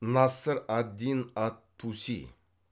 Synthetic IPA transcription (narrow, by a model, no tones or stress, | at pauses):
nɑsɨɾad̪ːinat̪ʰːusḭ